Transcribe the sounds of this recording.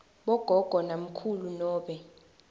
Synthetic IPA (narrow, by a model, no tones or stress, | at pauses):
ɓɔɡ̥ʱɔɡ̥ʱɔnam̩kʰulunɔːɓɛ